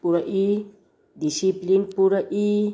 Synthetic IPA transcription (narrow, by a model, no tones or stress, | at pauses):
puɾaʔi | disiplinpuɾaʔi